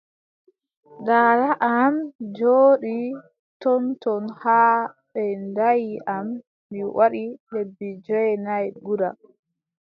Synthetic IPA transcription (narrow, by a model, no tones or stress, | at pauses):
ɡaːlaʔamd͡ʒoːɗi | tɔntɔnhaːɓɛndajiʔamː | iwʔaɗiɗebːid͡ʒɔɛnajɡuɾa̰